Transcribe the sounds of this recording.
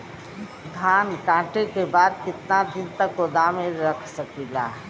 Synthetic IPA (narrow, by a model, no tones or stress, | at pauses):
d̪ʱaːnkãːʈekebaːd̪̚kɪt̪nad̪int̪əkod̪ameɾəkʰsəkila̰